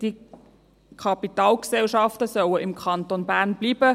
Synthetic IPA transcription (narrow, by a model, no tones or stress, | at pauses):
d̥i | kʰɑpitaːlksɛlʃɑftəsœwəʔɪmkʰɑntonbæːʁnb̥liːbə